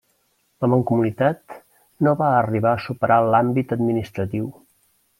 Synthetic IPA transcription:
ləməŋkumunit̪at̪ | noβaəriβaəsupəɾʔalambit̪əd̪minist̪ɾət̪iw

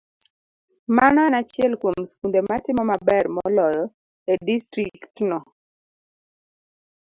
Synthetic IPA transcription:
mananat͡ʃɪɛlkwomskundematɪmɔmabɛrmɔlɔjɔ | edistɾiktnɔ

